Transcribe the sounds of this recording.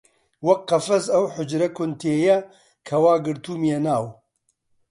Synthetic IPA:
wɐkqːɐfɐzɐwħʊd͡ʒɾɐkʰʊnt̪ʰeːjɛ | kʰɐwaːɡɨɾt̪uːmijɛnaːw

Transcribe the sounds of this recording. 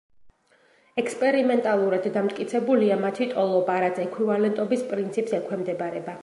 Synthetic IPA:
ɛkspʼɛɾimɛnt̪ʼalˠuɾad̪ːamt̪ʼkʼit̪sʰɛbuliamat̪ʰit̪ʼɔlˠɔbaɾat̪sʰɛkʰwivalɛnt̪ʼɔbispʼɾint̪sʰipʼsɛkʰwɛmd̪ɛbaɾɛba

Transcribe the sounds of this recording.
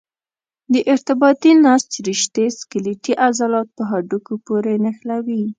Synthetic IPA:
d̪əʔɪɾt̪ɪbɑt̪inɑst̪ɾiʃt̪eskɪliʈiʔazɑlɑt̪̚pəɦaɖukopoɾenaxlawi

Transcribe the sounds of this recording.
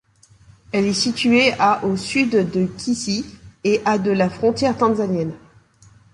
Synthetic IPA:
ɛlɛsit̪yeaʔosyd̪d̪əkʲʰisieʔad̪əlafχɔ̃t̪jɛʁt̪ɑ̃zanjɛn

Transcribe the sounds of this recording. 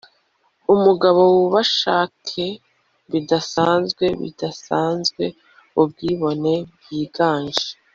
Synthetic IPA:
umuɡaβo̞wuβaʃaːkʰe | βidasaːnzɡwe̞βḭdasaːnzɡwe̞ | ub̚ɡiːβo̞ne̞b̚ɡiːɡaːɲʒe̥

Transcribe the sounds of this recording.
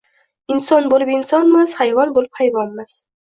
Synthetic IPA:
ɪnsɒnbolɪpɪnsɒnmɪz̥hajvɒnbolɪp̚hajvɒnmɪz̥

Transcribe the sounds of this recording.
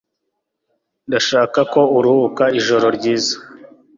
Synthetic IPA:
ndaʃaːkako̞uɾuhukaiʒo̞ɾo̞ɾɟiːzḁ

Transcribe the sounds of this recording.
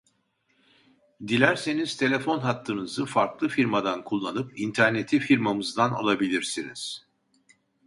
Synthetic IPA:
d̪ilʲæɾseniz̥t̪ʰe̞lʲe̞fo̞nɦat̪ːɯnɯzɯfaɾklˠɯfiɾmad̪ankʰulˠːanɯp̚int̪ʰæɾne̞t̪ʰifiɾmamɯzd̪ano̰lˠabilʲiɾsiniz̥

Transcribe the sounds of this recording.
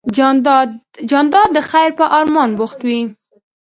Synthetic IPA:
d͡ʒɑnd̪ɑd̪ːəxajɾpəʔɑɾmɑnbʊxt̪wi

